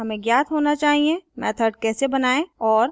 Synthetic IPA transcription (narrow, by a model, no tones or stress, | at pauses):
ɦɐmẽɡjaːt̪ɦoːnat͡ʃaːɦiẽmɛːt̪ʰəɖ̚kɛːsebɐnaːẽɔːɾ